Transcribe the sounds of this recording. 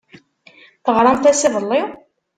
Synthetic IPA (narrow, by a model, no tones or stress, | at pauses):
θəʁɾˤɑmθæsivəlˤːɪ